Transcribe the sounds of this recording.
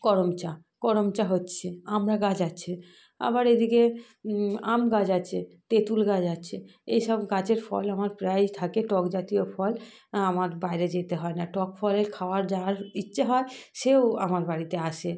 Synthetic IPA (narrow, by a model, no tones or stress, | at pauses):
kɔɾomt͡ɕa | kɔɾomt͡ɕaɦotːɕʰeamɾaɡad͡ʑatːɕʰe | a̰baɾed̪ike | a̰mɡad͡ʑat͡ɕʰet̪et̪ulɡad͡ʑaɕʰeejʃɔbɡat͡ɕeɾfɔ̰lamaɾpɾajt̪ʰakeʈɔkd͡ʑat̪ijofɔl | amaɾbajɾed͡ʑet̪eɦɔenaʈɔkfʰɔleɾkʰaoaɾd͡ʑaɾitːɕʰeɦɔeʃeoa̰maɾbaɾit̪eaʃe